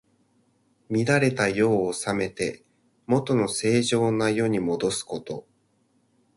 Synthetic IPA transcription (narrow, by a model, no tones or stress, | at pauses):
mʲid̪aɾe̞t̪ajo̞ːsame̞t̪e̞ | mo̞t̪o̞no̞se̞ːʑo̞ːnajo̞ɲ̟imo̞d̪o̞sɨ̥ko̞t̪o̞